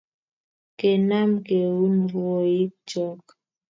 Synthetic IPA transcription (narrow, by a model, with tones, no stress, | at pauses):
ke˨na˦mke˨wu˦nɾwo˨i˦k̚t͡ʃɔ˦k